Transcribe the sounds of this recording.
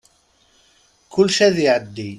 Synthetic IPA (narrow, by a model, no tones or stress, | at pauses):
kʰʊlːʃæðjʕəd̪ːi